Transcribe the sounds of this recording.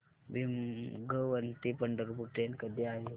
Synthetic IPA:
ʋimɡəʋənt̪ipəɳɖəɾupuʈenkəd̪iaɦi

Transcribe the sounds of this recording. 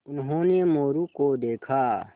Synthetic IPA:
ʊnɦõːnemoːɾukod̪eːkʰaː

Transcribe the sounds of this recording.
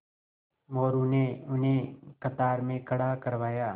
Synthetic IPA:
mɔːɾʊneʊnɦẽkɐt̪aːɾmẽkɐɽakɐɾʋaːjaː

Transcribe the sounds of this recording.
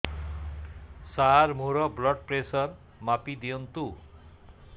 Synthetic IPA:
sarmuɾʌblʌɖ̚presʌr | mapid̪ijʌnt̪u

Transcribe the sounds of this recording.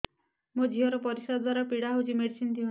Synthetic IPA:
mod͡ʒʱiɔɾɔpɔɾisɔd̪d̪waɾapiɽaɦud͡ʒimeɽsint̪ʰio

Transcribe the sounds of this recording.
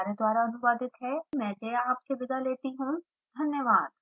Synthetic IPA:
aɾed̪waːɾaɐnʊʋaːd̪ɪt̪ɦɛmɛ̃ːd͡ʒeaːpsebɪd̪ʱaleːt̪iɦũ | d̪ʱɐnjəʋaːd̪̚

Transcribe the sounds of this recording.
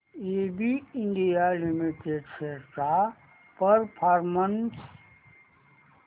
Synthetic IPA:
ebiiɳɖijalimiʈeɖseɾʈa | pəɾpʰaɾməns

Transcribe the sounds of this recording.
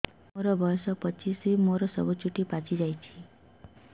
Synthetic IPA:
moɾɔbʱʌjsɔpʌt͡ʃʰisimoɾɔsʌ̰but͡ʃʰuʈipat͡sid͡ʒajt͡ʃʰi̥

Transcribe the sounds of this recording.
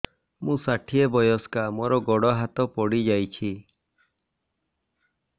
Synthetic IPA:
mũsaʈʰiebɔjɔskamɔɾɔɡɔɽɔɦat̪ɔpɔɽid͡ʒajt͡ʃʰi

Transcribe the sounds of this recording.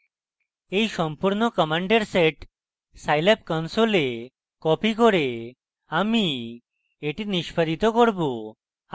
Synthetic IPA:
ejʃɔmpuɾnokɔmaɳɖeɾseʈ | sajlapkɔnsole | kɔpikoɾe | ami | eʈiniʃpad̪ʱit̪okoɾbo

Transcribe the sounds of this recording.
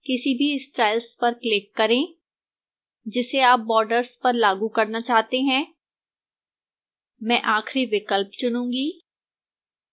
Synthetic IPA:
kɪsibʱiɪsʈɾaːɪlspɐɾklɪkːɐɾẽː | d͡ʒɪseaːp̚bɔːɾɖəɾspɐɾlaːɡũkɐɾnat͡ʃaːɦt̪eɦɛ̃ː | mɛ̃ʔaːxɾiʋɪkəlpt͡ʃʊnũːɡiː

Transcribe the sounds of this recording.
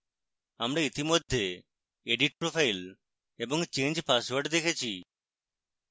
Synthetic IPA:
amɾait̪imod̪ʱːe | eɖiʈ̚pɾopʰajl | ebɔŋt͡ɕẽɲd͡ʑpasʋaɾɖd̪ekʰet͡ɕʰi

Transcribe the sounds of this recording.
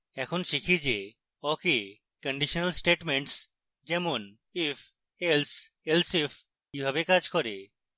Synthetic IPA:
ɛkʰonʃikʰid͡ʒe | ɔke | kəɳɖiʃɔnəlsʈeʈmeɳʈs | d͡ʒɛmon | if | elselsef | kibʱabekad͡ʒkɔɾe

